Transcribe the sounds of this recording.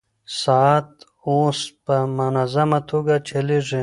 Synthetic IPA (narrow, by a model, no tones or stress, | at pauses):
sat̪ | õːspɐmɐnɐzɐmɐt̪ʰuɡat͡ɕʰeliʐe